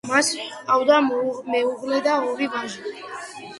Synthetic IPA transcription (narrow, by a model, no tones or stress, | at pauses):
masʼawd̪amɛuʁlɛd̪aɔɾibaʒi